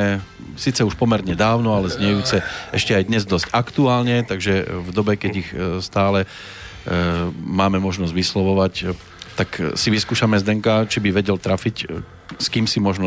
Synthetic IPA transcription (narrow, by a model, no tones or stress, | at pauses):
ɛ | siːt͡sɛuʃpɔmɛɾɲɛd̪aːʊnɔalɛzɲɛjuːt͡sɛɛʃcɛajd̪ɲɛzd̪ɔscakt̪uaːlɲɛt̪aɡʒɛvd̪ɔbɛkɛɟixst̪aːlɛ | maːmɛmɔʒnɔzɟʋislɔʋɔʋac | t̪aksiʋiskuːʃamɛzd̪ɛŋkat͡ʃibiʋɛɟɛlt̪ɾafic | skiːmsimɔʒnɔ